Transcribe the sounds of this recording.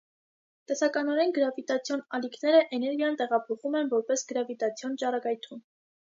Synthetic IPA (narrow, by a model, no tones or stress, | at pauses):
t̪ɛsɑkɑnɔɾɛnɡəɾɑvit̪ɑt͡sʰjɔnɑlikʰnɛɾəʔɛnɛɾɡjɑnt̪ɛʁɑpʰɔχumɛnvɔɾpɛsɡəɾɑvit̪ɑt͡sʰjɔnt͡ʃɑɾɑkɑjt̪ʰum